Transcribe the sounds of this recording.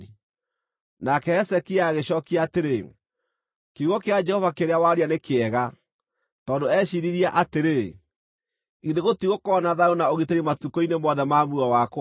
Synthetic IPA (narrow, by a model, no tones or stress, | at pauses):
nakɛɛsɛkiaːɣeɕɔːkiaːteɾe | keuɣɔkead͡ʒɛhɔvakeɾeawaɾianekeɛɣa | tɔːndoɛɕiɾiɾiaʔateɾe | iðeɣotiɣokɔːnaðaonaoɣiteɾimatukɔinemɔðɛmamuawakw